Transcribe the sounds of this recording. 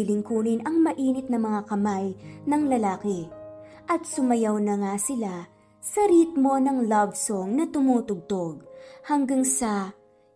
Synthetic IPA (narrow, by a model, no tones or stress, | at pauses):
lɪŋkuːnɪnʔɐŋmɐʔiːnɪt̪̚nɐmɐŋakɐmajnɐŋlɐlaːkɛ | ʔɐt̪̚sʊmɐjawnɐŋasɪla | sɐɾiːt̪̚mo̞nɐŋlɐbsoŋnɐt̪ʊmuːt̪ʊɡ̚t̪oɡ̚hɐŋɡaŋsɐ